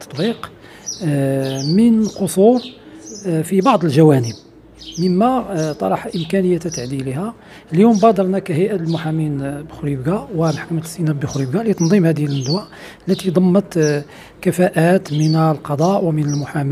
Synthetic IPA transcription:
t̪ːɑ̥t̪ˤbiq | mənəlqosˤuɾ | fibɑʕd̪ˤəlʒæwænəb̚ | məmːæt̪ˤɑ̰ɾˤɑħʔəmkænəjːæt̪æt̪aʕd̪ilihæ | ljumbɑd̪ɑɾˤnækæɦəjʔæt̪lmʊħaminbxʊɾibɡawəlħkmət̪sinæbəxɾibɡalit̪ɑnd̪ˤimhæd̪əjəlnd̪wæʔ | lːæt̪id̪ˤɑmːət̪ | kæfæʔæt̪mənlqɑd̪ˤɑʔwəmənəlmʊħam

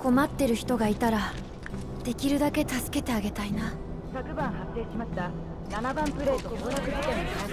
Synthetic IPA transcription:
ko̞mat̪ːe̞ɾɯ̟çi̥t̪o̞ɡait̪aɾa | d̪̥e̞kʲiɾɯ̟d̪ake̞t̪asɨ̥ke̞t̪e̞aɡe̞t̪aina | sakɯ̟bãɰ̃ɦat̪ːe̞ːɕimaɕi̥t̪a | nanabãmpɯ̟ɾe̞ːt̪okoɾakɯ̟d͡ʑit̪ẽn

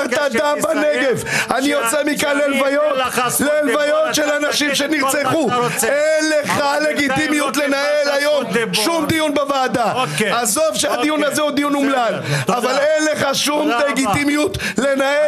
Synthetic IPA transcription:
ʁt̪ad̪ambaneɡe̞vaniot͡semikanlelvajot̪leːlvajot̪ʃelanaʃimʃeniʁt͡seχuenleχale̞ɡit̪imijut̪le̞naelajo̞mʃumd̪ijunbevaːd̪aazo̞fʃead̪ijunazeud̪ijunumlalavalenleχaʃumleɡit̪imijut̪ | le̞nae

